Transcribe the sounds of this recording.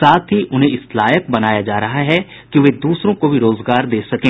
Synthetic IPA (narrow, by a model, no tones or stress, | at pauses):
saːt̪ʰɦiʔʊnɦẽɪslaːjək̚bɐnaːjad͡ʒaːɾɐɦaɦɛ | kiʋed̪uːsɾõkobʱiɾoːzɡaːɾd̪eːsɐkẽː